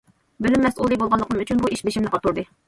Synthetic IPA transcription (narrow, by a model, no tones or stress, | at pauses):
bɪlymːɛsulˠɨjbolˠʁɑnlˠəqənɨmyt͡ʃʰynbuiʃbeʃɪmnɪqʰɑt̪uɾd̪ɨ